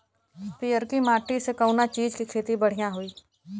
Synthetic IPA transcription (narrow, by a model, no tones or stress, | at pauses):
piːjəɾkimaːʈisekəʊnat͡ʃiːd͡ʒkikʰeːt̪ibəɽ̤ijãɦʊiː